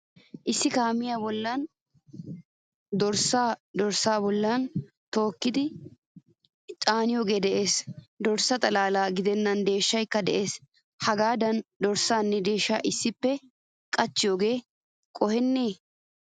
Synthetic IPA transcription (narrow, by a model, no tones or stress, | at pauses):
ʔɪsːɪkaːmɪjaːbɔlːan | d̪ɔɾsaːd̪ɔɾsaːbɔlːan | t̪o̞ːkːɪd̪ɪ | t͡ʃʼaːnɪjoːɡe̞ːd̪ɛʔe̞ːsd̪ɔɾsːɐt̪ʼɐlaːlaːɡɪd̪ɛnːɐnd̪e̞ːʃːɐjkːɐd̪ɛʔe̞ːs | hɐɡaːd̪ɐnd̪ɔɾsaːnːɛd̪e̞ːʃːa̰ːʔɪsːɪpːɛ | kʼɐt͡ʃːɪjoːɡe̞ː | kʼɔhɛnːeː